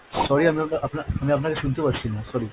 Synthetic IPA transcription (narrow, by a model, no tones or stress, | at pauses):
sɔɾiamiapnaɾʔapnaamiap̬nakeʃunt̪epatːɕʰinasɔɾi